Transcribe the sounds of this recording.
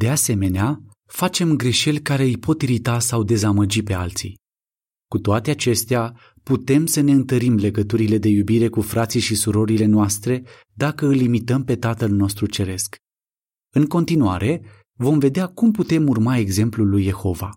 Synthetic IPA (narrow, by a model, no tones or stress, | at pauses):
d̪e̞ase̞me̞nea | fat͡ʃe̞mɡɾe̞ʃe̞lʲkaɾe̞ɨjpʰo̞t̪iɾit̪asawd̪e̞zaməd͡ʒipe̞alt̪sḭj | kut̪oat̪e̞at͡ʃe̞st̪ea | put̪e̞msəne̞ɨnt̪əɾimle̞ɡət̪uɾile̞d̪e̞jubiɾe̞kufɾat̪sijʃisuɾo̞ɾile̞noast̪ɾe̞ | d̪akəɨlːimit̪əmpe̞t̪at̪əlno̞st̪ɾut͡ʃe̞ɾe̞sk | ɨŋko̞nt̪inuaɾʔe̞ | vo̞mve̞d̪eakumput̪e̞murmae̞ɡze̞mplulːujːe̞xo̞va̰